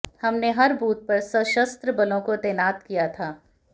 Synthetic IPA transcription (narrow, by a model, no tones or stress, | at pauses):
hɐmneɦɐɾbuːt̪̚pɐɾsɐʃəst̪ɾəbɐlõkot̪ɛːnaːt̪kijat̪ʰaː